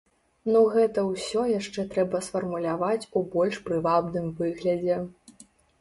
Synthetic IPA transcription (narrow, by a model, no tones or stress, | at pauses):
nuɣɛt̪ɐwsʲɔjaʂt͡ʂɛt̪ɾɛbɐsfɐrmulʲavat͡sʲubɔlʲʂpɾɨvabnɨmvɨɣlʲɐd͡zʲɛ